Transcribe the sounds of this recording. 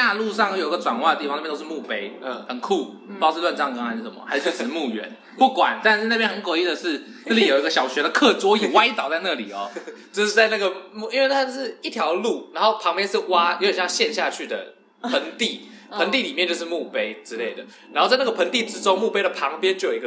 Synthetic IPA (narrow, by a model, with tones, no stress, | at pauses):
a˥˧lu˥˧ʂɑ˥˧ŋ˥˩jo˨˩i˧˥ɡə˧ʈ͡ʂwa̰˨˩nwa˥˩d̪ə˩i˥˩fŋn˥˩jt̪ʂ̩˥˧mu˥˩pe˦˥ɪ˩hə˨˩nkʰu˥˩ | pɑ˥ʊʂ̩˥˧lwa˥˧nʈ͡ʂɑ˥˩ŋkɑ˥xa˧ɪʂ̩˥˩ʂə˨˩mɐ̰˩ha˧˥ʂjo˥˩˨mu˥˩ɥɛ̰˧˦n | pu˥˩kwa˨˩˦nt̪a˥˧nʂ̩˥˧na˥˩pjɛ˥nhxə˧˦nkwi˥˩d̪ə˨˩ʂɻ̩˥˩˨ | na˥˩li˥˨˥jo˨˩ʊi˧˥ɡə˧˩ɕjɑ˨˩ʊɕɥɛ˧˥ɾə˨kʰɤ˥˩t͡swɔ˥jɛ˨˩wa˥ɪ˥t̪ɑ˨˩ʊt͡sa˥˧ɪna˥˩li˨˩ɔ˨˩t͡ɕjo˥˧ʊʂɻ̩˥˧˩t͡sa˥˧ɪna˥˩ɡə˨˩mu˥˨i˦nwe˥˩t̪ʰa˥t͡ɕo˥˧ʂɻ̩˥˩i˥˩t̪ʰjɑ˧˥ʊlu˥˩na˧˥nxo˥˩ʊpʰɑ˧˥ŋpjɛ˥nʂɻ̩˥˩wa˥jo˧˦jə˨˩jɑ˥˧ŋɕjɛ˥˧nɕja˥˧t͡ɕʰy˥˩d̪ə̰˩ | pʰə˧˥ŋt̪i˥˩ | pʰə˧˦nt̪i˥˨li˨˩mjɛ˥˧nt͡ɕo˥˧ʊʂɻ̩˥˧mu˥˩pe˥ɪʈ͡ʂɻ̩˥le˥˩ɪd̪ə˩ | na˧˥nxo˥˧t͡sa˥˧ɪna˥˩ɡə˩pʰə˧˥ŋt̪i˥˩ʈ͡ʂɻ̩˥ʈ͡ʂo˥ŋmu˥˩pe˥ɪd̪ə˨pʰɑ˧˦ŋpjɛ˦nt͡ɕo˥˩jo˨˩˧ɡə˧